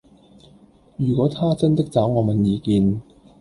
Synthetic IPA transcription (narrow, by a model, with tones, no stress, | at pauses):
jyː˨˩kɔː˨˥t̪ʰaː˥t͡sɐ˥nt̪ɪ˥k̚t͡saː˨˥wŋɔː˨˧mɐ˨njiː˨˧kiː˨˧n